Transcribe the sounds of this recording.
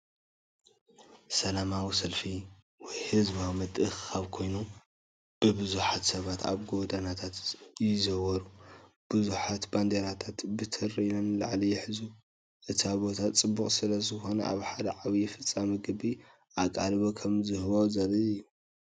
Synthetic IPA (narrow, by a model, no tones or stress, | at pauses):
sɐlamawisɐlfi | wɔjhɨzβawimɐt̪ʼɨxaβkʰo̞jnu | b̥ɨbɨzuħat̪sɐβat̪a̰βɡo̞d̪anat̪ʰat̪jɪzɐwɐɾu | b̥ɨzuħat̪band̪eɾat̪ʰat̪bɨt̪ʰɨrinɐnla̰ʕlijɪħɨzu | ʔɨt̪ʰiaβo̞t̪ʰat͡sʼɨbːukʼsɨlɐzɨxo̞nɐʔa̰βħad̪ɐʕawijɛfɨt͡sʼːamiɡɨbi | ʔakʼalβo̞kʰɐmzɨhβawzɐlɨɨjːu